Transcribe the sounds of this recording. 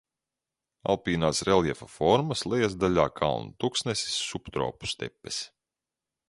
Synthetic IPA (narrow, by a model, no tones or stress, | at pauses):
a̰lˠpiːnaːsɾɛljɛfafɔɾmɐslˠɛjasd̪aʎʲaːkʰa̰lˠnut̪uksnɛsi̥sːupt̪ɾɔ̰ːpu̥st̪ɛ̰pːes